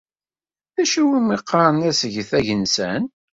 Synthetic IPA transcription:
θæʃiwimiqːɑɾˤnæsəʝθæʝənsæn

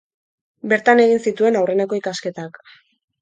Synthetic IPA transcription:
be̞ɾt̪ane̞ɣinsit̪ue̞nawre̞neko̞ikaske̞t̪ak

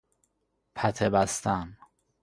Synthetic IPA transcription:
pʰæt̪ʰebæst̪ʰæn

